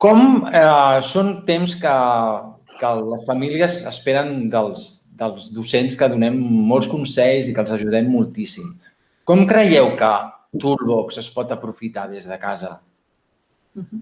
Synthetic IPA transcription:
kɔmɛsont̪emskə | kələsfəmiliəzə̰speɾənd̪əlˠz | d̪əlˠzðusenskəðunɛmːɔlˠskunsɛʎzikəːlˠzəʒuð̞ɛmːulˠt̪isim | kɔmkɾəjɛwkət̪ulβɔksəspɔt̪əpɾufit̪aðezðəkazə

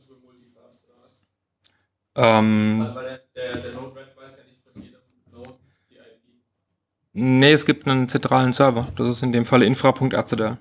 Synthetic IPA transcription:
ʔɛːm | anɪ | neɛsɡ̥iːp̚tnənt͡sɛntʁ̥aːlənsœɐvɐd̥asɪstɪndeːmfaləɪnfʁ̥apʰʊŋktʔɛ̰ɐt͡sedɛl

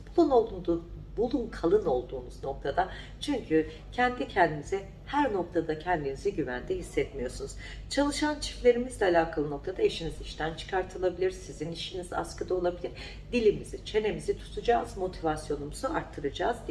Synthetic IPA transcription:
b̥ulˠuno̞lˠd̪und̪ubulˠunkʰalˠɯno̞lˠd̪uːnuzno̞k̚t̪ʰad̪a | t͡ʃʰyɲcʰy | cʰɛnd̪icʰɛnd̪inizɛ | hæɾno̞k̚t̪ʰad̪acʰɛnd̪iniziɟyvæ̰nd̪ɛɦisːɛt̪mijo̞sunuz̥ | t͡ʃʰalˠɯʃant͡ʃʰi̥flʲe̞ɾimizlʲɛalʲaːkʰalˠɯno̞k̚t̪ʰad̪aeʃiniziʃt̪ʰænt͡ʃʰɯ̥kʰaɾt̪ʰɯlˠabilʲiɾsiziniʃiniza̰skɯd̪ao̞lˠabilʲiɾ | d̪ilʲimizit͡ʃʰe̞ne̞mizit̪ʰu̥t̪ʰud͡ʒaːzmo̞t̪ʰivasjo̞numuzuaɾt̪ʰːɯɾɯd͡ʒaːzd̪

